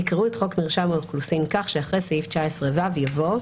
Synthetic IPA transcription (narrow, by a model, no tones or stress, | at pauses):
ikʁuetχo̞kmiʁʃamolklusinkaχʃeaχʁesajift͡ʃaesʁevavjavo̞